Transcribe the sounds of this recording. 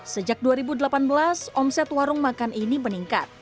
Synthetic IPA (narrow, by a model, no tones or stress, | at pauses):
səd͡ʒak̚duaɾibudəlapanbəlasɔmsɛt̪waɾʊŋmakanʔiniməniŋka̰t̪̚